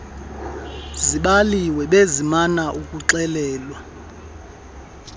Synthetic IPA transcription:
ziɓaliwɛɓezimanaʔukʼuǁɛlɛːlwa

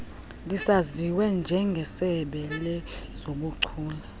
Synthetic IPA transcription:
lisaziwɛnd͡ʒʱɛŋɡʱɛsɛɓɛlɛz̥oɓ̬uǀʰuːla

